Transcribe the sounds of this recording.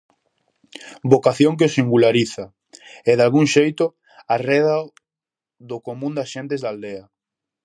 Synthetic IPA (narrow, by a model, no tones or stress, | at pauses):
bokaθjoŋk̬eosiŋɡulaɾiθa | ɛðalɣuŋʃejt̪ʊ | arɛða | ðokomũnd̪ɐasʃẽnt̪ezðald̪ea